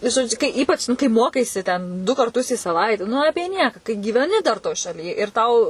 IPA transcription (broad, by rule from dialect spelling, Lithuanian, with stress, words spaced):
ʒoːˈd͡ʒʲʊ kɐɪ ˈiːpɐt͡ʃ nʊ kɐɪ ˈmoːkɐɪsʲɪ tʲɛn dʊ kɐrˈtʊs iː sɐˈʋɐɪtʲɛ nʊ ˈɑːpʲiɛ ˈnʲiɛkɑː kɐɪ ɡʲiːʋʲɛˈnʲɪ dɐr toːj ʃɐˈlʲiː ɪr ˈtɐʊ